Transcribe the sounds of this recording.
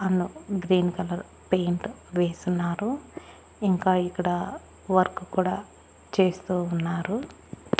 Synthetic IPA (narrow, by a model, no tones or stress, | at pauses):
ɐnːuɡɾiːnkɐlɐɾ | pe̞ːɳʈʋeːsunːaːɾu | iŋkaːikːɐɽɐ | ʋɐɾkukuːɽaː | t͡ʃe̞ːst̪uːnːaːɾu